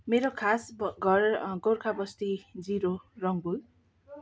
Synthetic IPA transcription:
meɾokʰasɡʱʌrɡorkʰabʌst̪id͡ziɾorʌŋbul

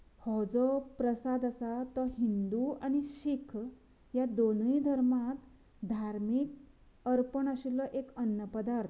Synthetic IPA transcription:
hɔd͡zɔpɾəsad̪asat̪ɔɦind̪uañiɕikʰ | jad̪onəid̪ʱəɾmat̪ | d̪ʱaɾmik̚ | əɾpəɳaɕilɔʔekənjəpəd̪aɾt̪ʰ

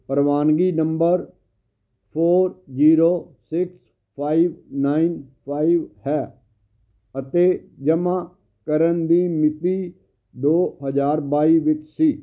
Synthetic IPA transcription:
pəɾʋaːnɡiːnəmbəɾ | pʰoːɾd͡ʒiːɾoːsɪks | pʰaːiːʋnaːinpʰaːiʋhɛː | ət̪eːd͡ʒəmãː | kəɾənd̪iːmɪt̪iː | d̪oːɦəzaːɾbaːiːʋɪt͡ʃsiː

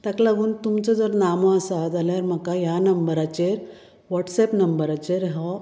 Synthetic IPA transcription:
t̪aklaɡuːnt̪umt͡sɔd͡zɔɾnamɔasad͡z̪aljaɾm̤əkajanəmbəɾat͡ɕeɾ | ʋɔʈsepnəmbəɾat͡ɕeɾɦɔ

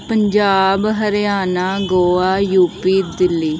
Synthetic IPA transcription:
pəɲd͡ʒaːbɦəɾjaːnaːɡoːaːjuːpiːd̪ɪlːiː

